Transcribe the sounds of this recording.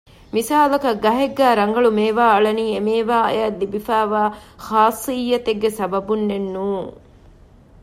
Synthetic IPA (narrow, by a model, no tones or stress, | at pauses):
misaːlɐkɐɡːɐɦeɡːæːɾɐŋɡɐɭumeːʋaːɐɭɐniːemeːʋaːɐ̰jɐllibifæːʋaːxaːsːijːɐt̪eɡːesɐbɐbunːenːuːŋ